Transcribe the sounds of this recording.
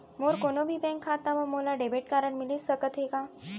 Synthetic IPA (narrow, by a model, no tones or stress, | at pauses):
moɾkonobʱiːbɛ̃ŋkʰːat̪aməmolaɖebeʈ̚kaɾəɳmilissəkət̪ɦeɡa